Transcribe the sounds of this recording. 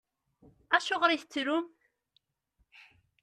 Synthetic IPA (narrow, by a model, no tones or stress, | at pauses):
æʃʊʁɾiθt͡sːɾum